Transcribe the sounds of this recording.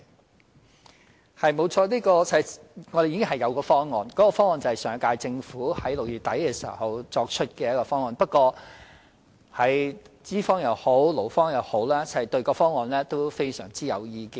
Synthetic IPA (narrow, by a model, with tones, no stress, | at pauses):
hɐ˨jmo˨˧wt͡ʃʰɔː˧liː˥kɔː˧t͡sʰŋɔ˨˧de˨ji˧˥kɪ˥ŋɦɐ˨jɐ˨˧wkɔː˧fɔː˥ŋŋɔː˨˧nkɔː˨˥kɔː˧fɔː˥ŋɔː˨˧nt͡sɐ˨˩hɐ˨˩sœː˨˧˥ŋkaː˧jt͡sɪ˧ŋfuː˨˥hɐ˨˥jlʊ˨k̚jyː˨˩t̪ɐ˨˥jkɛː˧siː˨˩˨wɦhɐ˨˧wt͡sɔː˧k̚t͡ʃʰɵ˥t̚kɛː˧jɐ˥kɔː˧fɔː˥ŋːɔː˨npɐ˥t̚kɔː˧ | hɐ˨˩jt͡siː˥fɔː˥ŋjɐ˨˧˥who˨˥wlo˨˩wfɔː˥ŋjɐ˨˧who˨˥wlaː˥t͡sɐ˨˩hɐ˨˩jt̪ɵ˧ɥkɔː˧fɔː˥ŋɔː˨˧nlɛː˥t̪o˥wfe˥jsœ̰ː˨˩ŋt͡siː˥jɐ̰˨˧wjiː˧ki˧